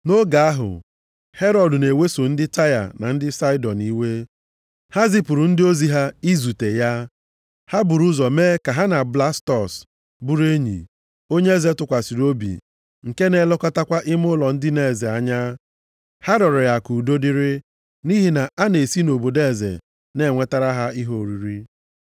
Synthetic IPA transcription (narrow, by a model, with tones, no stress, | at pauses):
no˦ɡa˨a˦ɦʊ̰˨ | he˦ɾɔ˨dʊ˨ne˨we˦so˨n̩˦dɪ˦ta˦ja̰˨na˨n̩˦dɪ˦sa˦ɪ˦dɔ˨ni˦we˦ | ha˦zɪ˦pʊ˨ɾu˨n̩˦dɪ˦o˦zi˦ɦa˦i˦zu˨te˨ja˦ | ha˦bʊ˨ɾu˦zɔ˨meː˦ka˨ɦa˦na˨bla˦stɔ˨s | bu˦ɾe˦ɲḭ˨ | o˦ɲe˦e˦ze˦tʊ˨kʷa˨si˨ɾo˦bḭ˨ | ŋ̩˨ke˦ne˨˦lɔ˦kɔ˦ta˦kʷa˦ʔɪ˦mʊ˦lɔ˨n̩˦dɪ˦ne˨ze˨a˨ɲa˦ | ha˦ɾɔ˨ɾɪ˨ja˨ku˨do˦dɪ˦ɾɪ˦ | ni˦ɦi˨na˨ʔa˦ne˨si˦no˨bo˨de˦˨zḛ˨ | ne˦˨ŋʷe˦ta˦ɾa˦ɦa˦i˦ɦo˨ɾi˨ɾi˦